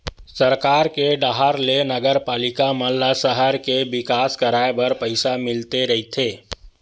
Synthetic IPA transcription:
səɾkaɾkeɖaɦaɾlenəɡəɾpalikaməlːasəɦəɾkebikaskəɾaebəɾpəɪsamɪlt̪eɾəɦit̪ʰe

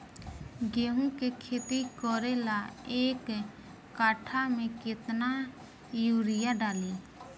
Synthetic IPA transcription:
ɡeːɦũkekʰeːt̪ikɔːɾelaeːkː | aːʈʰamẽkɪt̪na | juːɾɪjaɖaːliː

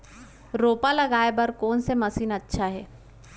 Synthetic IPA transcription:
ɾoːpalɐɡaːebɐɾkɔːnsemɐsiːnɐtːʃʰaɦɛː

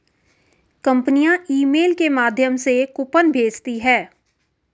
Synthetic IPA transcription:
kə̃mpnijãiːmeːlkemaːd̪ʱjəmsekʊpənbʱeːt͡ʃt̪iɦɛː

